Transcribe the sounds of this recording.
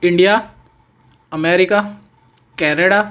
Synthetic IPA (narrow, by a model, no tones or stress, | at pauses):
ɪ̃ɳɖija | ɐmeːɾɪka | kɛːneɽa